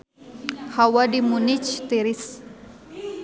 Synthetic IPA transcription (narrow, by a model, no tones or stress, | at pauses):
hawadimunit͡ʃt̪iɾis